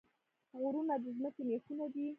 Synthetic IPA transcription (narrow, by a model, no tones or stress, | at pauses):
ɣuɾunad̪əzməkemexunad̪i